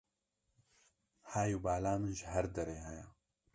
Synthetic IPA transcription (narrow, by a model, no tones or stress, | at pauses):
haːjuːbaːlaːmɨnʒɦɐɾd̪ɐɾeːɦajaː